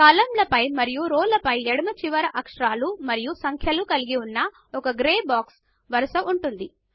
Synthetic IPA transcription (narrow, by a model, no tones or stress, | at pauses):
kaːlɐmlɐpɐjmɐɾijuɾɔːlɐpɐjɛɽɐmɐt͡ʃiʋɐɾɐʔɐkʂɐɾaːlumɐɾijusɐŋkʰjɐlukɐliɡiunːɐ | ɔkɐɡɾeːbaːks | ʋɐɾɐsɐʔuɳʈund̪i